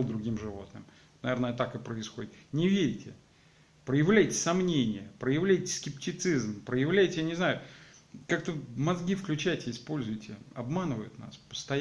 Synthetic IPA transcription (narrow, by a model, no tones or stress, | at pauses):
lˠd̪ɾʊɡʲimʐɨvo̞t̪nɨ̰m | t̪nɐvʲeɾnəjət̪akɨpɾəɪsxodʲɪt̪nʲɪvʲeɾʲɪtʲɪ | pɾəjɪvlʲæjtʲɪ̥sɐmnʲenʲɪjəpɾəjɪvlʲæjtʲɪ̥skʲɪptʲɪt̪sɨzmpɾəjɪvlʲæjtʲɪjanʲɪznajʊkak̚t̪əmɐzɡʲifklʲʉt͡ɕæjtʲɪɪspo̞lʲzʊjtʲɪɐ̰bmanɨvəjʊ̰t̪na̰spə̥st̪ɐj